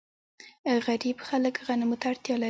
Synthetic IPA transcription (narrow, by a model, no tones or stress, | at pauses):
ɣaɾibxaləkɣanɪmʊt̪aaːɽt̪jɑla